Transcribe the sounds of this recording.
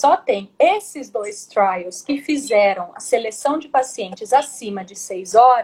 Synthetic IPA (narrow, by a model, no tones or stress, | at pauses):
sɔt̪ẽj̃esɪzd̪ojst̪ɾajʊskɪfizɛɾɐ̃w̃ɐ̰selesɐ̃w̃d͡ʒɪpasiẽnt͡ʃɪzasĩmɐd͡ʒɪsejzɔɾɐ